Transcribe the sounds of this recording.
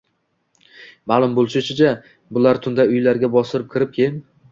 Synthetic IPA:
maːlˠʊmbolˠʃɪt͡ʃʰɪd͡ʒ̪a | bʊlaɾt̪ʰʊnd̪aʊjlaɾɡʲabɒsɪɾɪp̚kʲʰɪɾɪp̚kʲʰejm

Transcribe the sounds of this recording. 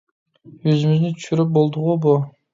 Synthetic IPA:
øzymyznɪt̪ʰy̥ʃyɾɪp̚bolˠd̪ʊʁʊbʊ

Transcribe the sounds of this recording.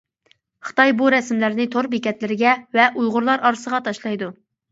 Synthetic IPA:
χə̥t̪ɑjbuɾɛsmlæɾnɪt̪ʰoɾbɪkʲɛt̪lɪɾɪɡʲɛvɛʔujʁʊɾlˠɑɾɑɾɨsəʁɑt̪ʰɑʃlˠɑjd̪u

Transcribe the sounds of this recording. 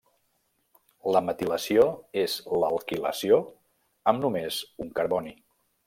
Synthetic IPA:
ləmət̪iləsioezləːlˠkilə̰sio | əmnumezuŋkəɾβɔni

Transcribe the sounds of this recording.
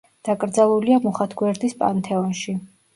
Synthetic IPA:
d̪̥akʼɾd̪zalˠuliamɔχat̪ʰɡwɛɾd̪ispʼa̰nt̪ʰɛɔnʃi

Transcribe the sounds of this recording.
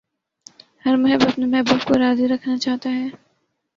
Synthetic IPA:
hɐɾmʊɦəbət̪nemʊɦəbːət̪koɾaːziɾɐkʰnat͡ʃaːɦt̪aɦɛː

